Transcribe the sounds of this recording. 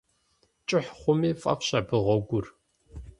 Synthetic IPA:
t͡ʃʼɪħχʷʊmiːfʼɐ̰fɕabɨʁɔɡʷʊr

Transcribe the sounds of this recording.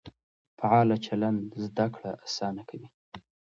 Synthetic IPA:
faʕɑlat͡ʃaland̪zd̪akɽaʔasɑnakʰawi

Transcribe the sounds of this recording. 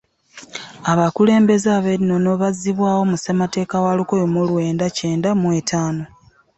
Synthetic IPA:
aβakule̞ːmbe̞zaβeɾino̞no̞βaziβwaːwo̞musemate̞ːkawalukojomulwe̞ːndace̞ːndamwe̞tʰaːno

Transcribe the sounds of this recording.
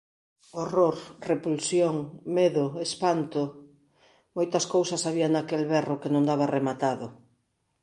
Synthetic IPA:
oroɾrepulsjoŋmeðʊespant̪ʊ | mojt̪ɐskowsɐsaβiaŋnakelβɛrʊkenõŋd̪aβaremat̪aðʊ

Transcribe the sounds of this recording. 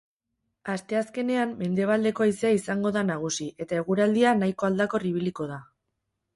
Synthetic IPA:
ast̪e̞aske̞ne̞amːe̞nd̪e̞β̞ald̪e̞ko̞aiseaisaŋɡo̞ðanaɣ̞usie̞t̪ae̞ɣ̞uɾald̪ianajko̞ald̪ako̞riβ̞iliko̞ða

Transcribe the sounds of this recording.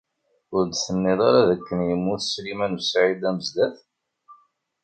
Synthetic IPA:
ʊɾd̪θənːɪðˤɑɾaðəkːənjəmːʊθslimænwsʕid̪æməzd̪æθ

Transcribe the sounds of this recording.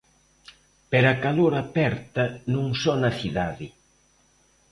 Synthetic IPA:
peɾakaloɾapɛɾt̪ɐnũŋsɔnɐθiðaðɪ

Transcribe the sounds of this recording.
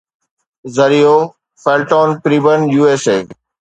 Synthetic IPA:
zɐɾijoː | feːlʈɔːnpɾiːbənjuːeːseː

